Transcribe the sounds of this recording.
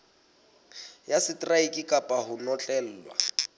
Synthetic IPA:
jasɪtʼraikʼɪkʼapʼaɦʊnɔt͡ɬʼɛl̩ːwa̰

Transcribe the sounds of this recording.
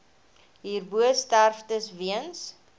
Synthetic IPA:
ɦiːrbuəstærftəsviəns

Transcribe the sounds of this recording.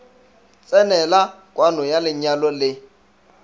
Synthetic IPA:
t͡sʼɛnɛla | kʼwanɔjalɪɲalɔlɪ

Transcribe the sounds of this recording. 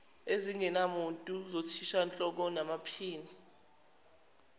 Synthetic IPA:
eziŋɛnamuntʼuzotʰiʃant͡ɬʼɔk̬ɔnamapʰiːni

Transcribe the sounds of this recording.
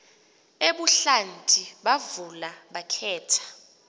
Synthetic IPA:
eɓuɬantʼiɓavulaɓakʰɛːtʰḁ

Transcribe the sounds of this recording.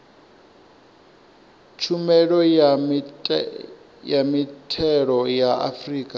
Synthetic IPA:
t͡ʃʰumɛɺɔ | jamitʰɛɺɔjaa̰friːkʼa

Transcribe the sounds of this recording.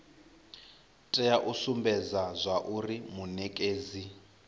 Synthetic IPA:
tʼɛaʔusumbɛd͡zazʷaʔurimunɛkʼeːzi

